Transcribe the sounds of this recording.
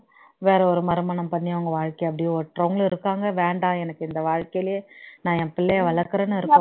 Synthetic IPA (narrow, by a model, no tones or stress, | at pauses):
ʋeːɾɐɔɾɯmɐɾɯmɐɳɐmpɐɳːijɐʋɐŋɡɐʋaːɻkɐjɐp̬ːɐɽijɔʈrɐʋɐŋɡɐɭɪɾɯkːaːŋɡɐʋeːɳɖãːɛnɐkːɯɪnd̪ɐʋaːɻkɐjlɪjenãːɛpɪlːɐjʋɐɭɐɾkɐɾɐnːɯɪɾɯkː